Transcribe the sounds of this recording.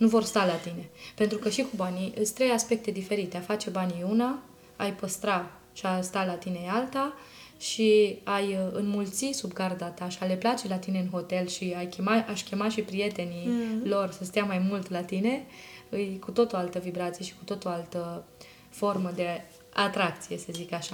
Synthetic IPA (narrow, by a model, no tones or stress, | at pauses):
nuvo̞rst̪alat̪ine̞pe̞nt̪ɾukəʃikubaniɨst̪ɾe̞jaspe̞k̚t̪e̞d̪ife̞ɾit̪e̞afat͡ʃe̞baniuna | ajpəst̪ɾa | ʃiast̪alat̪ine̞alt̪a | ʃiajɨnmult̪sisubɡard̪at̪aʃiale̞plat͡ʃe̞lat̪ineɨnɦo̞t̪e̞lʃiajkʲe̞maaʃkʲe̞maʃipɾije̞t̪e̞nilo̞rsəst̪ejamajmult̪lat̪ine̞ɨjkut̪ot̪oalt̪əvibɾat̪sije̞ʃi̥ku̥t̪ot̪oalt̪ə | fo̞rməd̪e̞ | at̪ɾakt̪sije̞səzikaʃa